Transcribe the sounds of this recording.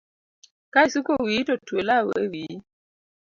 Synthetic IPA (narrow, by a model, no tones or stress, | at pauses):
kaisukowitɔtwelawḛwi